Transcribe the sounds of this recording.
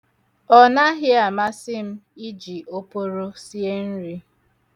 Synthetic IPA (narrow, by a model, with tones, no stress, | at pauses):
ɔ˦na˦ɦɪ˦a˨ma˦sɪ˦m̩˦i˦d͡ʒi˨o˦po˦ɾo˦si˦e˦n̩˦ɾi˦